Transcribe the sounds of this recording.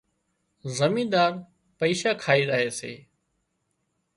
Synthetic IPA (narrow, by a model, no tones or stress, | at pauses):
zəmĩːd̪aːɾ | pəiːʃaːkʰaːiːzaːɦeːsḛː